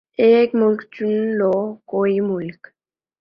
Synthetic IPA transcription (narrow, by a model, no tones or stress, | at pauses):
ekmulkt͡ʃunlɔkoimulk